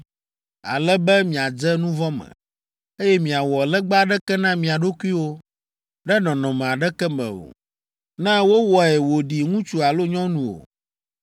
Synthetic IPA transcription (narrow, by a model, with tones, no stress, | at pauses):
a̰˨lɛ˦bɛ˦mĩ˨a˨d͡ʒɛ˦nũ˦vɔ˦mɛ̰˨ | e˦jɛ˦mĩ˨a˨wɔ˨lɛ˦ɡ͡ba˦ɖɛ˦kɛ˦nã˦mĩ˨a˨ɖo˦kʷi˦wo˦ | ɖɛ˦nɔ̃˨nɔ̃˨mɛ̃˨a˨ɖɛ˦kɛ˦mɛ̰̃˨o̰˨ | nɛ̃˦wo˦wɔ˨ɛ˨wo˨ɖi˨ŋũ˦t͡ʃu˦a˨lo˦ɲɔ̃˦nũ˨wo̰˨